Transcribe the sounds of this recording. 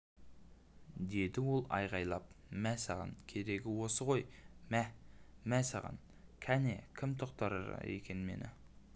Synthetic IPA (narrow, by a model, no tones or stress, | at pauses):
d̪e̞d̪ɪwo̞lˠɑ̰jʁɑjlˠɑp̚mæsɑʁɑ̰nkʲʰe̞ɾe̞ɡʲɪwo̞səʁo̞jmæmæsɑ̰ʁɑ̰n | kʲʰæne̞kʲʰɪmt̪ʰoqt̪ɑɾə̰ɾ̰ḛkʲe̞nme̞̰nɪ̰